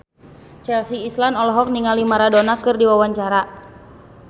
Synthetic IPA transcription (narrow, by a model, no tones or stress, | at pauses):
t͡ʃɛlsiːslanɔlɔɦɔk̚niŋalimaɾadonakɨrdiwawaɲt͡ʃaɾa